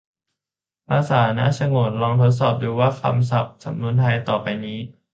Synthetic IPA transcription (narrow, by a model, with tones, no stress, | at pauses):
paː˧saː˩˦˧na̰˦˥ʔsa˧ŋo˨˩t̪̚lɔː˧ŋt̪ʰo˦˥t̪̬̚sɔː˨˩p̚duː˧waː˥˩kʰa̰˧ms̬a˨˩p̚sa˨˩˦mnu˧˥ənt̪ʰa˧jt̪ɔː˨˩pa˧jniː˦˥